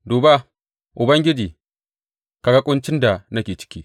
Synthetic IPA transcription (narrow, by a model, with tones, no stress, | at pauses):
duː˨ba˦ | ʔʊ˨bɐ˦ŋɡʲɪ˦d͡ʒiː˨ | ka˨ɡa˦kʷʼʊ˦nt͡ʃɪ˦nda˨na˦kʲeː˨t͡ʃɪ̥˦kʲiː˦